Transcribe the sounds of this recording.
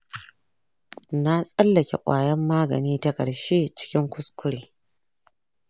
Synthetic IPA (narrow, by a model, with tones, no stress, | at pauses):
na˦sʼɐ˦lːɐ˨kʲḛ˨kʷʼaː˨jɐ˦mːaː˦ɡɐ̰˨niː˦ta˦kʼɐ˨ɽʃe˦t͡ʃɪ̥˦kʲɪ˦ŋkʷʊ˦skʷʰʊ˦ɽeː˨